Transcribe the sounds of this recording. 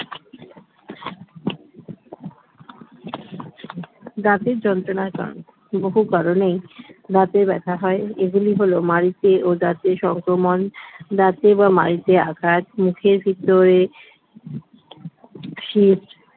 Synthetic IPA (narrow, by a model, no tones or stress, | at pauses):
dat̪eɾd͡ʑɔnt̪ɾonaka̰ɾ̰n | boɦukaɾonejd̪at̪eɾbɛt̪ʰaɦɔeeɡuliɦolomaɾit̪eʔod̪at̪eʃɔŋkɾomond̪at̪ebamaɾit̪eakʰat̪mukʰeɾbʱit̪ːoɾe | ʃit